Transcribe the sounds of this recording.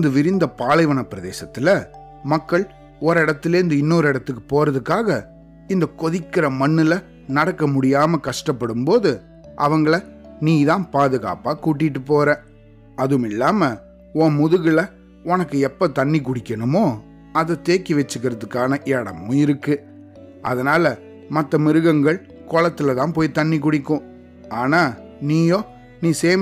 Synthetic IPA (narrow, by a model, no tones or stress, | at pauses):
nd̪ɯʋɪɾɪnd̪ɐpaːlɐɪʋɐɳɐpɪɾɐðḛːsɐt̪ːɪlɐ | mɐkːɐɭ | ɔɾɪɽɐt̪ːɪleːɪnd̪ɯɪnːoːɾɪɽɐt̪ːɯkːɯ̥poːɾɐðɯkːaːɣɐ | ɪnd̪ɐkɔðɪkːɪɾɐmɐɳːɪlɐ | nɐɽɐkːɐmʊɽɪjaːmɐkɐʂʈɐpːɐɽɯmpoːðɯ | ʔɐʋɐŋɡɐɭɐ | niːðãːnpaːðɯɣa̰ːpaːkuːʈ̬ːɪʈːɯpoːɾẽː | ɐðɯmɪlːaːmɐ | õːmʊðɯɣɪlɐ | ɔnɐkːɯɛpːɐt̪ɐɳːik̬ʊɽɪkʲːɐɳɯmoː | ɐðɯt̪eːkːiʋɛt͡ʃːɯkːɪɾɐðɯkːaːnɐʔɛɽɐmːʊ̃ɪɾɯkːɯ | ʔɐ̰ðɐnaːlɐ | mɐt̪ːɐmɪɾɯɣɐŋɡɐɭ | kɔɭɐt̪ːɪlɐt̪ãːnpoːjt̪ɐnːɪk̬ʊɽɪkːʊ̃ː | aːnaː | niːjoː | niːseːm